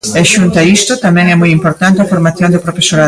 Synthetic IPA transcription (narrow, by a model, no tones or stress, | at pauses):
eʃunt̪aist̪ot̪amɛ̃ŋɛmujimpoɾt̪ant̪eafoɾmaθjond̪epɾofesoɾa